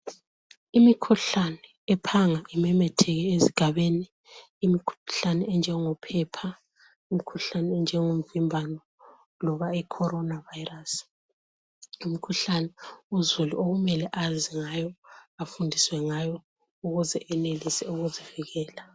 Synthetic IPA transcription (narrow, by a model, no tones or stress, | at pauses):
imikʰuɬanɛːpʰaŋaʔimɛmɛtʰɛɣɛeziɡ̥ʱaβeːniː | mikʰuɬanɛɛnd͡ʒʱɛŋɔpʰɛpʰa | imikʰuɬanɛːnd͡ʒʱɛŋom̩vimbʱanɔ | lɔβaikʰɔɾɔnavajiras | umikʰuɬanɛuzuluoɣumɛlɛʔaziŋajɔafundʱiswɛŋajɔ | uɣuzɛʔɛnelisɛuɣuziviɣɛːla